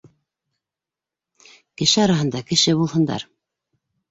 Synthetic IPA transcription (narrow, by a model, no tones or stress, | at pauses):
kɘ̆ʃɘɑɾɑɦɤ̆nd̪ɑkɘ̆ʃɘbulˠɦɤ̆nd̪ɑ̰ɾ